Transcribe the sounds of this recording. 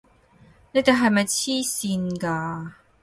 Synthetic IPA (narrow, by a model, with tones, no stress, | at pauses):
ne˥t̪e˨˩ɦɐ˨jmɐ˨jt͡sʰiː˥siː˧nkaː˧